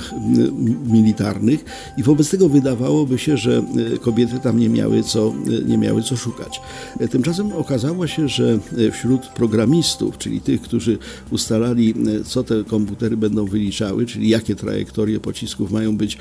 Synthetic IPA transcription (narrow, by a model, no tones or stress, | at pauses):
x | mʲilʲit̪a̰ɾnɘx | ivɔbɛt̪st̪ɛɡɔvɘd̪avawɔbɘɕɛʐɛkɔbʲjɛt̪ɘt̪amɲɛmʲa̰wɘ̰t̪sɔɲɛ̰mʲja̰wɘt̪sɔʂuka̰t͡ɕ | t̪ɘmt͡ʂas̬ɛmɔkazawɔɕɛʐɛfɕɾut̪pɾɔɡɾamʲist̪ṵft͡ʂɘ̰lʲḭt̪ɘxkt̪uʐɘ | ust̪alalʲit̪sɔt̪ɛkɔmput̪ɛɾɘbɛnd̪ɔ̃w̃vɘlʲit͡ʂawɘt͡ʂɘlʲijakʲɛt̪ɾa̰jɛ̰kt̪ɔɾʲjɛpɔt͡ɕiskufmajɔ̃w̃bɘt͡ɕ